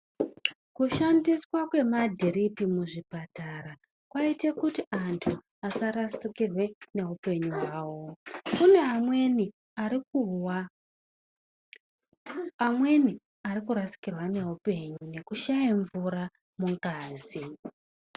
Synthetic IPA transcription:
kuʃandiswakwe̞madʱiɾipimuʐipataɾa | kwaitekutiantʰu | asaɾasikirwe̞ne̞upe̞ɲuɦwaːwo̞kune̞amweni | arikuwa | amweni | aɾikuɾasi̥kirwane̞upe̞ɲune̞kuʃajiɱvuɾa | muŋkaːzi

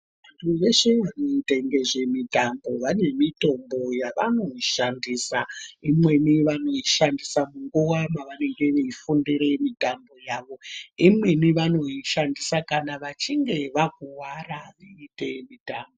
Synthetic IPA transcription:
ʋantʰuʋe̞ʃeʋano̞itaŋɡeʐe̞mitambo̞ʋane̞mito̞mbo̞jaʋano̞iʃandiːsaimweniʋano̞iʃandisamuŋɡuwamaʋane̞ŋɡe̞ʋeifundiɾe̞mitambo̞jaːʋo̞imweniʋano̞iʃandisakanaʋat͡ʃiŋɡe̞ʋak̚uwaraʋiite̞mitaːmbo

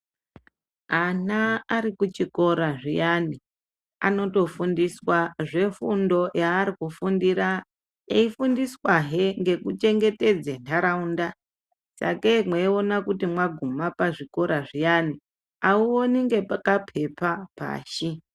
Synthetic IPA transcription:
anaːɾikut͡ʃiko̞ɾaʐijani | a̰no̞to̞fundiswaʐe̞fundo̞jaːɾikufundiɾa | eifundiswaɦeŋɡe̞kut͡ʃe̞ŋɡe̞te̞d͡zentʰaɾaunda | sa̰kemweio̞nakutimwaɡʱumapaʐiko̞ɾaʐijani | auo̞niŋɡe̞pakapʰe̞papa̰ːʃi

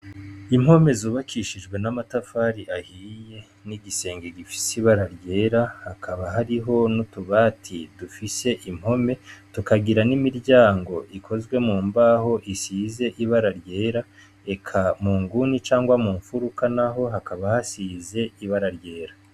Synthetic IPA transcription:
im̥ho̞me̞zuːβakʰiʃiʒɡwe̞namatafaːɾiʔahiːje̞ | niɡise̞ːŋɡeɡifi̥siβaɾaɾɟe̞ːɾahakʰaβaɦaɾiɦo̞nutuβaːtʰid̥ufise̞ʔim̥ho̞me̞tukaɡiɾanimiɾɟaːŋɡo̞ʔikʰozɡwe̞muːmbaːho̞ʔisiːze̞ʔiβaɾaɾɟe̞ːɾa | e̞kʰamuːŋɡunit͡ʃaːŋɡwamuːɱfuɾukanaɦo̞ɦakaβahasiːze̞iβaɾaɾɟe̞ːɾa

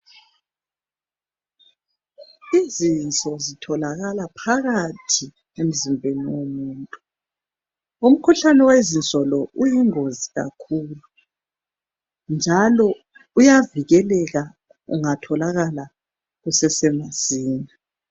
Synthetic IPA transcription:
izint͡sʼɔzitʰɔlaɣalapʰaɣatʰi | em̩zimbʱeniwomuːntʼu | um̩kʰuɬanɛwezint͡sʼɔlɔʔujiŋoziɣa̰kʰuːlu | nd͡ʒʱalɔ | ujaviɣɛlɛɣa | ṵŋatʰɔlaɣala | ɣusɛsɛmaz̥iːna

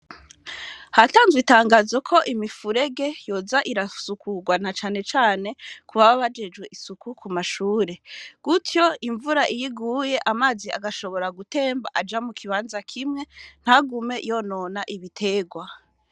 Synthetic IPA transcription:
hataːnzwitaːŋɡaːzo̞kʰo̞ʔimifuɾe̞ɡe̞jo̞zaʔiɾasukʰuɡwanat͡ʃaːne̞t͡ʃaːne̞kʰuβaβaβad͡ʒe̞d͡ʒwe̞ʔisukukumaʃuːɾe̞ɡ̥utjo̞iɱvuɾaʔijiɡuːje̞ʔamaːziʔaɡaʃo̞βo̞ɾaɡute̞ːmbaʔad͡ʒamukʰiβaːnzakʰimŋe̞n̥haɡume̞jo̞no̞naʔiβitʰe̞ːɡwa

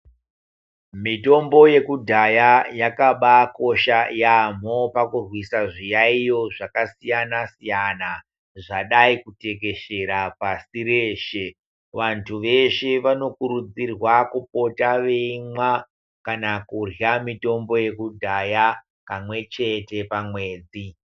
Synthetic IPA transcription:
mito̞mbo̞je̞kudʱajajakaɓako̞ʃajam̤o̞pakurwisaʐijaijo̞ʐakasijanasijana | ʐaɗaikute̞k̬e̞ʃe̞ɾapasiɾeːʃe̞ | ʋantʰuʋe̞ʃe̞ʋano̞kuɾud͡zirwakup̚o̞taʋeimwa | kanakurjamito̞mbo̞je̞kudʱaja | kamwe̞t͡ʃe̞te̞pamwe̞ːd͡zi

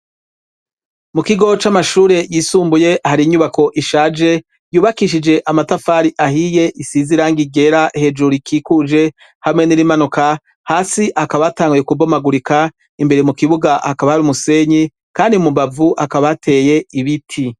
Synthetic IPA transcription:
mukiɡo̞t͡ʃamaʃuːɾe̞jiːsuːmbuje̞ʔhaɾiɲuβako̞ʔiʃaːd͡ʒe̞ | juːβakiʃ̬id͡ʒe̞ʔamatafaːɾiʔahije̞ʔisiziɾaːŋɡiɡe̞ɾaʔhe̞d͡ʒuɾikʰiːkud͡ʒe̞ | hamŋe̞niɾimanuka | haːsiʔakaβataːŋɡujekubomaɡuɾika | imbe̞ɾemukiβuɡahakaβahaɾiumuse̞ɲi | kaːndiumubavuʔakaβatʰe̞ːje̞iβitʰi

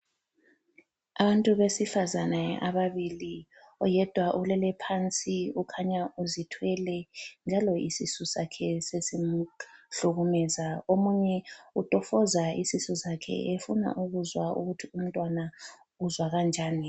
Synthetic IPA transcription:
aβantʼuβesifazanaʔaβaβili | ɔjɛd̥ʱwaʔulɛlɛpʰant͡sʼiukʰaɲauzitʰwɛlɛnd͡ʒʱalɔḭsisusakʰɛsesim̩ɬuɣumɛːzaomuɲɛutʼɔfɔzaisisusakʰɛ̰efuna̰ʔuɣuzwaṵɣutʰium̩tʼwana | uzwaɣand͡ʒʱaːni

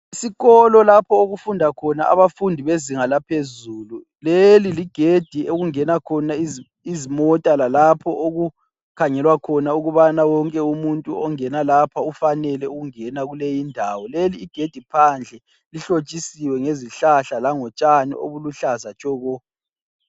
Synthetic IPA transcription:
isiɣɔlɔlapʰɔoɣufundʱakʰɔnaʔa̰βafundʱiβeziŋalapʰezuːlu | leliliɡ̥ʱed̥ʱieɣuŋɛnakʰɔnaiz | izimɔtʼalalapʰɔʔoɣu | kʰaŋɛlwakʰɔnauɣuβanawɔŋkʼɛumuntʼuɔŋɛnalapʰaufanɛlɛuɣuŋɛnaɣulejindʱawɔleliːɡ̥ʱed̥ʱipʰand͡ɮʱɛ | liɬot͡ʃʼisiwɛŋeziɬaɬalaŋɔt͡ʃʼanḭʔo̰βuluɬazat͡ʃʰɔɣɔ

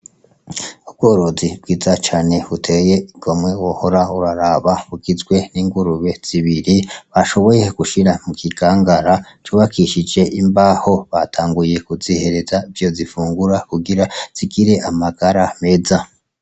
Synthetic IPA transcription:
ub̚ɡo̞ːɾozibɡiːzat͡ʃaːne̞βutʰe̞je̞iɡ̥o̞mŋe̞wohoɾauɾaɾaβaβuɡizɡwe̞niːŋɡuɾuβe̞z̥iβiɾiβaʃo̞βo̞je̞ɡ̥uʃiɾamukʰiɡaːŋɡaɾa | t͡ʃuːβakʰiʃid͡ʒe̞ʔimbaho̞βatʰaːŋɡuje̞kuzihe̞ɾe̞zaivjo̞zifuːŋɡuɾakuɡiɾaz̥iɡiɾe̞ʔamaɡaɾame̞za

